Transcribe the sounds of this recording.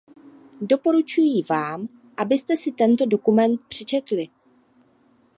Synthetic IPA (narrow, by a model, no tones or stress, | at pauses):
do̞po̞ɾut͡ʃujiːvaːm | ʔabɪst̪ɛsɪt̪ɛnt̪o̞do̞kumɛnt̪̚pr̝̥ɪt͡ʃɛt̪lɪ